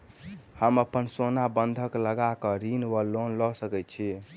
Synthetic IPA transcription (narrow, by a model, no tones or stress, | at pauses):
həməpənsonabənd̪ʱəkləɡakəɾinʋəlonlɔsəkɛt̪t͡ʃʰi